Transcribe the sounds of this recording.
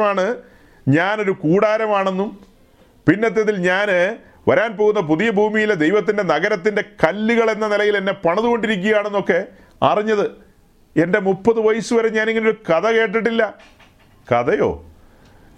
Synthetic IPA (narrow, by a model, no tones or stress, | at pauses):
maːɳɨ | ɲaːno̞ɾukuːɽaːɾɐmaːɳe̞nːum | pinːet̪̬ːeðilɲaːn | ʋɐɾaːnpo̞ːɣunːɐp̬uðijɐbʱuːmijiled̪e̞jʋɐt̪̬ːinde̞nɐɣɐɾɐt̪ːinde̞kɐlːiɣɐɭe̞nːɐnilɐjile̞nːe̞pɐɳɐðuɣo̞ɳɖiɾik̬ʲːuɣjaːɳe̞nːo̞kːe̞ | ɐ̰riɲːɐðɨ | e̞nde̞mupːɐðɨʋɐjisuʋɐɾeɲaːneŋːinejoɾukɐðɐke̞ːʈ̬ːiʈ̬ːilːɐ | kɐðɐjo̞̰ː